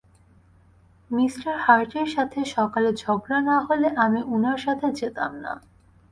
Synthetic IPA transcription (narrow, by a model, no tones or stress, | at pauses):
misʈaɾhaɾʈeɾʃat̪ʰeʃɔkaled͡ʑʱɔɡɾanaɦoleʔamiʔunaɾʃat̪ʰed͡ʑet̪a̰mna̰